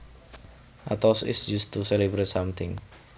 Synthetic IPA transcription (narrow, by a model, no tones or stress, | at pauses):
ʔat̪ɔsɪ̰sd͡ʒust̪uselebɾet̪samt̪ʰɪŋ